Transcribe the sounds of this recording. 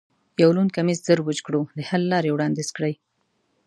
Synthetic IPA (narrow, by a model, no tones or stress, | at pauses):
jawlunkamizzəɾwəd͡ʒkɽod̪əhalːɑɾewɽɑnd̪izkɽəj